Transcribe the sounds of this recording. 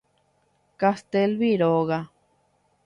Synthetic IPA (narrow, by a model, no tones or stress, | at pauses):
kast̪elβiɾoɣa